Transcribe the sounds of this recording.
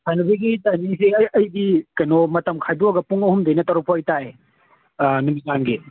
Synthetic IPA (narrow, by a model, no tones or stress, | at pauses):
sʰajnɐbiɡitaniseɐɐjdikɐjnomɐtɐmkʰajduɐɡɐpuŋɐhumdejnɐtɐɾɔpːojtaj | numizanɡi